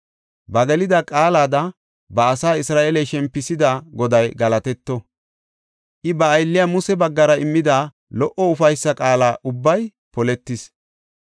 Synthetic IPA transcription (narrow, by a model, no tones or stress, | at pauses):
bɐɡɛlɪd̪ɐkʼaːlaːd̪ɐ | bɐːsaːɪsɾaːʔelɛjʃɛmpːɪsɪd̪aɡɔd̪ɐjɡɐlɐt̪ɛt̪ːɔ | ʔɪbɐːjlːɪjamʊsɛbɐɡːɐɾɐɪmːɪd̪a | lɔʔɔʊfɐjsːɐkʼaːlaːʔʊbːɐj | pɔlɛt̪ːɪs